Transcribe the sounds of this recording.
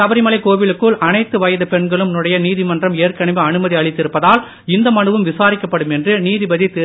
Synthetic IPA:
ɐʋɐɾɪmɐlɐɪkoːʋɪlɯkːɯɭʔɐnɐɪt̪ːɯʋɐjɐðɐpɛɳɡɐɭɯmnɯɽɐjɐniːðimɐndrɐmeːrkɐɳɐʋɯɐɳɯmɐðiɐɭɪt̪ːɪɾɯpːɐðaːl | ɪnd̪ɐmɐɳɯʋɯmʋɪsaːɾɪkːɐpːɐɽɯmɛndrɯniːðɪbɐðit̪ːe

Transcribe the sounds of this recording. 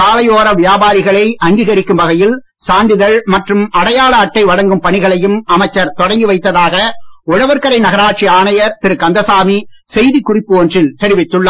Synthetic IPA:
kaːlɐjoːɾɐʋɪjaːbaːɾɪɣɐɭɐɪʔɐŋɡiɣɐɾɪkːɯmbɐɣɐjɪl | saːnd̪ɪðɐɭmɐʈrɯmʔɐɽɐjaːɭɐːʈːɐɪʋɐɽɐŋɡɯmpɐɳɪɣɐɭɐjɯmɐmɐɪt͡ʃːɐɾt̪ɔɽɐŋɡɯʋɐɪt̪ːɐðaːɣɐʊɻɐʋɐɾkɐɾɐɪnɐɣɐɾaːʈ̚t͡ʃiaːnɐjɐɾt̪ɪɾɯkɐnd̪ɐsaːmisɛjðikːʊrɪpːɯɔndrɪlt̪ɛɾɪʋɪt̪ːɯɭːɐ

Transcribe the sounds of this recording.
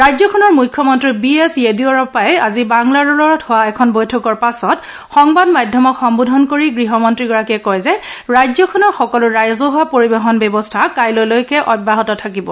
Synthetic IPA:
ɹajzɔkʰɔnɔɹmujkʰːjɔmɔntɹibiesediɔɹɔpajɛa̰zibaŋlaɹɔlɔɹɔthʊwaɛkʰɔnbojtʰɔkɔɹpasɔt | xɔŋbadmajdʱjɔmɔkxɔmbudʱɔnkoɹiɡɹiɦɔmɔntɹiɡɔɹakiɛkɔjzɛɹajzɔkʰɔnɔɹxɔkɔlʊɹajɔzɔɦʊwapoɹibexɔnbɛbɔstʰakajlojlojkɛʔɔbːaɦɔtɔtʰakibɔ

